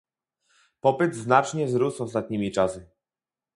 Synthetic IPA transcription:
pɔpɘd̪znat͡ʂɲɛzɾusɔst̪at̪̚ɲimʲit͡ʂasɘ

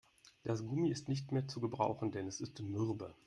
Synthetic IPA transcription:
d̥asɡ̥ʊmiɪstnɪçtmeːɐt͡suɡəbʁa̰ʊxn̩dɛnɛsɪstmɪʁbə̰

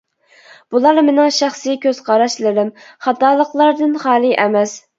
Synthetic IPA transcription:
b̥ulˠɑɾmɪnɪŋʃæχsɨkʲʰøz̥qʰɑɾɑʃlɨɾɪm | χɑt̪ɑːlˠəqlˠɑɾd̪ɨnχɑːlˠɨʔɛmɛs

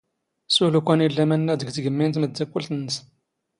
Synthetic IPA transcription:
sulukʷænilːæmænːæd̪əɡt̪ɡəmːint̪məd̪ːækːult̪ənːəs

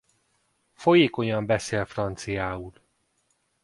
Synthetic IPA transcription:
fo̞jeːko̞ɲɒmbɛseːlfrɒnt̪sijaːul

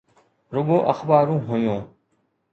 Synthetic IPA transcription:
ɾʊɠoːʔəxbaːɾũːɦʊjõː

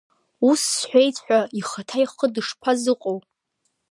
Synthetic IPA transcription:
usːħʷᶣejt͡sʰʼħᶣʷaiχatʰajχədɨʂpʷʰazɨqʷʼow

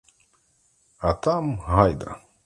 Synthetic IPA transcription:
at̪amhajd̪a̰

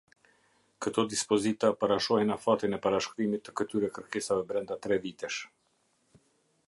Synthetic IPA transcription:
kət̪ɔd̪ispɔzit̪apaɾaʃɔhɛnafat̪inɛpaɾaʃkɾimit̪ːə̥kət̪yɾɛkəɾkɛsavɛbɾɛnd̪at̪ɾɛvit̪ɛʃ

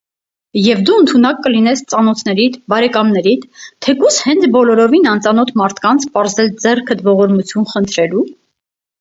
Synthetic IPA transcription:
jɛvd̪uənt̪ʰunɑkːəlinɛst͡sɑnɔt̪ʰnɛɾit̪ʰbɑɾɛkɑmnɛɾit̪ʰːɛkushɛnt͡sʰbɔlɔɾɔvinɑnt͡sɑnɔt̪ʰmɑɾt̪ʰkɑnt͡sʰpɑɾzɛld͡zɛrkʰəd̪vɔʁɔɾmut͡sʰjunχənt̪ʰɾɛlu

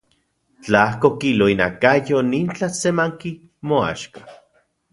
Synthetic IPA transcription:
t͡ɬahkokiloinakajoniːnt͡ɬasemaŋki | moa̰ʃkḁ

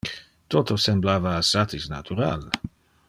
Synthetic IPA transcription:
t̪ot̪osemblaːvaːsat̪isna̰t̪uɾa̰l

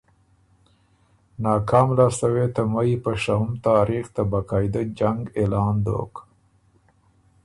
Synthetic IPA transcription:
nɑːkɑmlasəwet̪amaipəʃahumt̪ɑːɾixt̪abakɑːjd̪əd͡ʒaŋɡelɑːnd̪o̰k

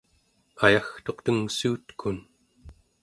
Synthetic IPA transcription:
ajaxt̪o̞qt̪əŋsuːt̪kʰun

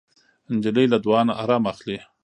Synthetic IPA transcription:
ɪnd͡ʒɪləjlad̪wɑnaʔaɾɑmaxli

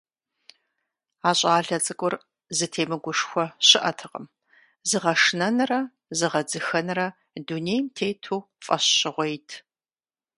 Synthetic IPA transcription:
aːɕʼaːɮɐt͡sʼɨkʷʼʊr | zɨtʰeːmɨɡʷʊʂxʷɔɕɪʔɐtʰɨqəm | zɨʁɐʂnɐnɨrɐ | zɨʁɐd͡zɨxɐnɨrɐ | dunejmtʰeːtʰuː | fʼɐɕɕɪʁʷejtʰ

